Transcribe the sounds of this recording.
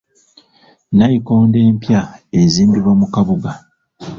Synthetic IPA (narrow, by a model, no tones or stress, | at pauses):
najiko̞ːnde̞ːmpjaeziːmbiβamukaβuɡa